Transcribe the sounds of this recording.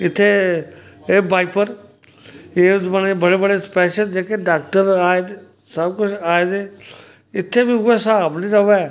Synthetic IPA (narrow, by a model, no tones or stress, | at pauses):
ɪt̪ʰːeː | eːbaːɪpəɾ | eːd͡ʒəneːbəɽeːbəɽeːspɛːʃəld͡ʒeːkeɖaːk̚ʈəɾaːee | səbkʊt͡ʃʰaːeːd̪eː | ɪt̪ʰːeːbiːʊɛːsaːbnĩːɾəʋɛː